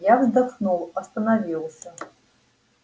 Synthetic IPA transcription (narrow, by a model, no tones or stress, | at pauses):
javzd̪ɐχnulˠɐst̪ɐnɐvʲilˠsɐ